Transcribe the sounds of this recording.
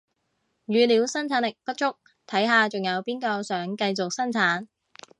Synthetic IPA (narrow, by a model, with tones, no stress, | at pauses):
jyː˨˧liː˨˧˥wsɐ˥nt͡sʰaː˨˥nlɪ˨k̚pɐ˥t̚t͡ʃʊ˥k̚ | t̪ʰɐ˨˥jɦaː˨t͡sʊ˨ŋjɐ˨˧wpiː˥nkɔː˧sœː˨˥ŋkɐ˧jt͡sʊ˨k̚sɐ˥nt͡sʰaː˨˥n